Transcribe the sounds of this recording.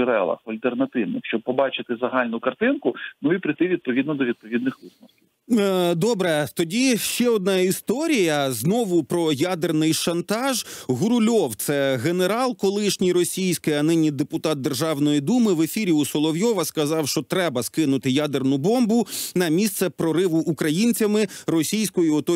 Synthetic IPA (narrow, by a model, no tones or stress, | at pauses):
ɾɛ̰lˠɐ̰xɐlʲt̪ernɐt̪ɪwnɪ̰xʃt͡ʃɔb̚pɔbɑt͡ʃɪt̪ɪzɐɦɑlʲnʊkɐrt̪ɪnkʊnʊipɾɪjt̪ɪʋʲid̪̚pɔʋʲid̪nɔd̪ɔʋʲid̪̚pɔʋʲid̪̚nɪxʋɪsmɔsʲ | d̪ɔbɾɛt̪ɔdʲiʃt͡ʃɛɔd̪̚nɑist̪ɔɾʲijɐznɔʋʊpɾɔjad̪ernɪjʃɐnt̪ɑʒɦʊɾʊlʲɔwt̪sɛɣeneɾɑlˠkɔlˠɪʃnʲijɾɔsʲijsʲkɪjɐnɪnʲːid̪epʊt̪ɑt̪̚d̪e̞rʒɑwnɔjid̪umɪʋefʲiɾʲiusɔlˠɔʋjɔʋɐskɐzɑwʃt͡ʃɔt̪ɾɛbɐskɪnʊt̪ɪjad̪ernʊbɔmbʊnɐmʲist̪sɛpɾɔɾɪʋʊʔːkɾɐjinʲt͡sʲɐmɪrɔsʲijsʲkɔjiɔt̪ɔ